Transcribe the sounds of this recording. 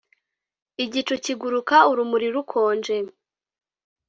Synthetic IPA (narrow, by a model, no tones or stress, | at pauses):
iɟit͡ʃuciɡuɾukauɾumuɾiɾukʰoːnd͡ʒe